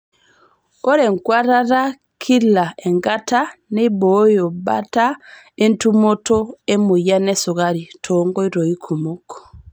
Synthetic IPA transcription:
o˦ɾe˨ŋkwa˦ɾaɾa˦ | kʰi˦la˨ɛŋɡatane˦βojo˨ba̰ta | e˦ntu˦mo˦tɔ˦e˦mo˨ja˦nɛso˨ɣaɾi˨tʰɔŋɡɔi˦ɾo˨i˦kʰu˨mokʰɔ̥˨

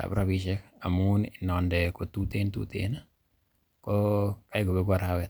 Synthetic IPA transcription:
a̰˨pɾa˦biʃɛ˦ka̰˨mu˦ninɔ˨ndɛ˨ko˨t̪u˦t̪e˦nt̪ṵt̪ḛna | kɔ˦ka˦ɪ˦ɡo˨be˦ɡa˦ɾawɛ˨t

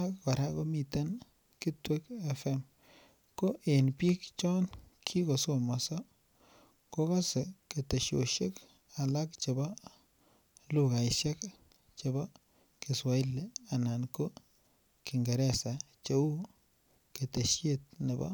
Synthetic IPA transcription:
a˦kka˨ɾa˦ko˦mi˨te˦n | kɪ˦twe˦kɛ˦fɛ˦m | ko˦ʔe˨npi˦kt͡ʃɔ˦nkʰi˦ko˨so˦mɔ˨sɔ˦ | ko˦ka˦se˨ke˨te˨ʃo̰˨ʃe˦k | a˨la˦k̚t͡ʃe˨bɔ˦ | lu˦ka˨ɪʃe˦k | t͡ʃe˨bɔ˦ | ki˨swa˨i˦lːe˨a˨na˨nko˦ | ki˨ŋɡe˨ɾɛ˦sa˨ | t͡ʃe˨˦u˦ | ke˨te˨ʃje˦t̚ne˨bɔ̰˦

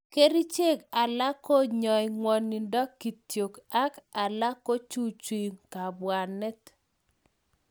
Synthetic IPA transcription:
ke˦ɾi˦t͡ʃe˦˨ka˨la˦ko˦ɲɔ˨jŋwɔ˨ni˨ndɔ˦ki˨tjo˨ka˦ka˨la˦ko˦t͡ʃu˦t͡ʃi˨ŋka˨bwa˨nɛ˦t

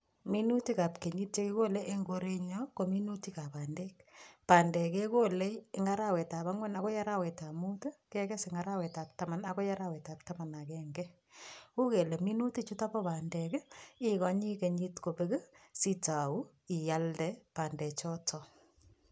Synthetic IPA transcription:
mi˦nu˦ti˦ka˨pke˨ɲi˦t̚t͡ʃe˦ki˦ko˦le˦ʔe˦ŋɡo˦ɾe˦ɲɔko˨mi˦nu˦ti˦ka˨pa˨nde˦k̚paː˨ndɛ˨ke˦ko˦le˦ɪŋa˦ɾa˦wɛ˨ta˨βa˦ŋwɛ˦nakɔ˦ja˦ɾa˦wɛ˨ta˨mutə˦kɛkɛ˦sɪ˨ŋaɾa˦wɛ˨ta˨p̚ta˦ma˨nako˦ja˦ɾa˦wɛ˨ta˨p̚tama˨nakɛŋɡɛ | u˦ke˨le˨mi˦nu˦ti˦t͡ʃu˦ta˦pɔ˦paː˨ndɛ˨kɪ˦kɔ˨ɲi˦ke˨ɲi˦tko˨pekə˦si˦ta˨u˦ | ɪ˨ja˦ldɛpa˨ndɛ˨t͡ʃɔ˦tʰɔ

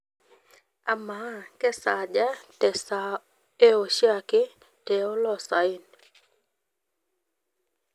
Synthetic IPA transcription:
a˨ma˦˨kɛ˦sa˨d͡ʒa˦tɛ˨sa | e˦o˨ʃja˦˨kɪ˦ | tɛ˨ɔ˦lɔ˨sa˨i˦n

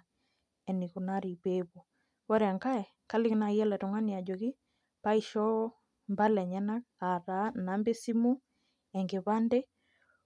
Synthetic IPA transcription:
ɛ˨ni˨ku˨na˦ɾi˨βe˦βɔ˨ | wɔ˦ɾɛ˨a˨ŋka˦ɛ˨ | ka˦lɪ˦kɪ˦na˨jɛ˦lɛ˨tɔ˨ŋa˦ni˨a˨d͡ʒɔ˨ɣi˦ | pa˦i˦ʃɔ˦ | mba˦lɛ˨ɲɛ˦na˦ka˨ɾa˨˦na˨˦mbe˦si˦mu˦ | ɛ˨ŋɡe˨βa˦nde˦

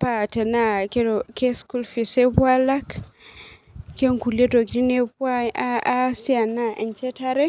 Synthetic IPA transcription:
pa˨te˨na˦ke˦˨ke˦sku˦lfi˨se˦bwa˦la˦k | ke˦ŋku˨le˦do˨ɡɾi˦ne˦bwa˦a˦si˦a˨na˦˨ʔɛ˨nt͡ʃe˦ta˦ɾɛ˦

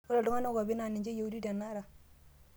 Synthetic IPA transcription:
o˦la˨du˦ŋa˦na˦ɡa˨bi˦na˨ni˨d͡ʒe˦ja˨u˦di˦da˨nːa˦ɾa˨

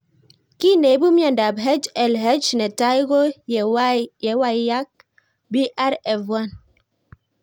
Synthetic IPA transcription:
ki˦˨ne˨˦bu˦mja˦˨n˨da˨bɦɛ˦d͡ʒɛ˨lɦɛ˦d͡ʒnɛ˨ta˦i˦ɣo˦˨˦ | jɛ˨˦wa˦i˦ja˦k̚ | bi˦ʔa˦ɾɛ˨vwa˦˨n

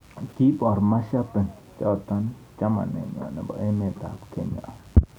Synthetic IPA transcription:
k̪i˦pa˨ɾma˦ʃa˦pe˨n | t͡ʃa˦t̪a˦n | t͡ʃa˦ma̰˨nḛ˨ɲ˨a̰˨na˨ba̰˨ʔe˦mẽ˨t̪a̰˨pkʰe˨ɲa̰ʔ

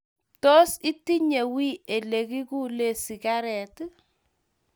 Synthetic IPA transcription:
tɔ˦si˦ti˦ɲe˨wi˦e˨le˨ki˦ku˦le˦˨si˨ka˦ɾɛ˨t

